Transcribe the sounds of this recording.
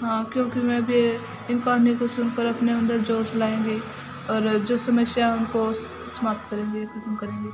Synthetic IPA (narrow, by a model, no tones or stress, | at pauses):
ɦãːkjõːkimɛ̃ːbʱi | ɪnkãːnikosʊnkəɾɐpneɐ̃nd̪əɾd͡ʒoːslaːẽːŋɡi | ɔːɾd͡ʒoːsɐməsjaɦɛʊnko | sɐmaːp̚t̪kɐɾẽːɡikɐt̪mkɐɾẽːŋɡi